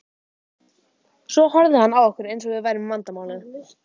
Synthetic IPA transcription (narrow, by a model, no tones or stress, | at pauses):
sɔhɔɾðɪhanːawɔhkʏɾejnsɔɣvɪðvajɾʏmvant̪amaːwlɪn